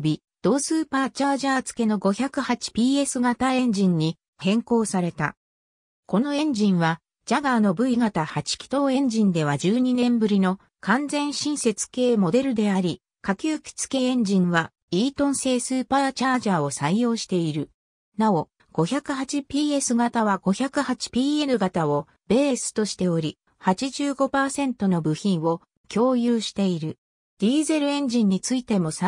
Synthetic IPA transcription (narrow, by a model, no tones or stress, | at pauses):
bʲi | d̪̥o̞ːsɨːpaːt͡ɕaːʑaːt͡sɨ̥ke̞no̞ɡo̞çakɯ̟hat͡ɕi̥pʲiːe̞sɨɡat̪aẽ̞ɲ̟d͡ʑĩɲ̟ːi | hẽ̞ŋko̞ːsaɾe̞t̪a̰ | ko̞no̞ẽ̞ɲd͡ʑĩɰ̃βa | d͡ʑaɡaːno̞bɯ̟iɡat̪ahat͡ɕi̥kʲi̥t̪o̞ːẽ̞ɲ̟d͡ʑĩnd̪e̞β̞ad͡ʑɨːɲ̟inẽ̞mbɯ̟ɾʲino̞ | kãnd͡zẽ̞ɰ̃ɕĩɰ̃se̞t͡sɨ̥ke̞ːmo̞d̪e̞ɾɯ̟d̪e̞aɾʲi | kakʲɨːkʲi̥t͡sɨ̥ke̞ẽ̞ɲd͡ʑĩɰ̃βa | iːt̪õ̞ɰ̃se̞ːsɨːpaːt͡ɕaːʑaːo̞saijo̞ːɕi̥t̪e̞iɾɯ̟ | nao̞ | ɡ̥o̞çakɯ̟ɦat͡ɕipʲiːe̞sɨɡat̪aβaɡo̞çakɯ̟hat͡ɕi̥pʲiːe̞ɾɯ̟ɡat̪ao | be̞ːesɨ̥t̪o̞ɕi̥t̪e̞o̞ɾʲi | hat͡ɕiʑɨːɡo̞paːsẽ̞nt̪o̞no̞bɯ̟çĩɰ̃o̞ | kʲo̞ːjɯːɕi̥t̪e̞iɾɯ̟ | d̪̥ʲiːze̞ɾɯ̟ẽ̞ɲ̟d͡ʑĩɲ̟ːit͡sɨit̪e̞mo̞s